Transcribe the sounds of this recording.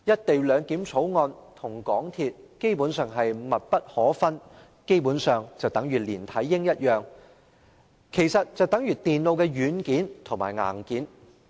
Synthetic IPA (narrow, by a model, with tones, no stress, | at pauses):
jɐ˥t̚t̪e˨jlœː˨˧ŋkiː˨˥mt͡sʰo˨˥wŋɔː˧nt̪ʰʊ˨˩ŋkɔː˨˥ŋt̪ʰiː˧t̚ke˥jpuː˨˥nsœː˨ŋɦɐ˨jmɐ˨t̚pɐ˥t̚hɔː˨˥fɐ˥n | ke˥jpuː˨˥nsœː˨ŋt͡sɐ˨wt̪ɐ˨˥ŋɥyː˨˩liː˨˩nt̪ʰɐ˨˥jːɪ˥ŋjɐ˥t̚jœː˨ŋ | kʰe˨˩jsɐ˨t̚t͡sɐ˨wt̪ɐ˨˥ŋɥyː˨˩t̪iː˨˩nlo˧wkɛː˧ɥyː˨˧nkiː˨˥nt̪ʰʊ˨˩ma̰ː˨˩jŋa̰ː˨˩nkiː˨˥n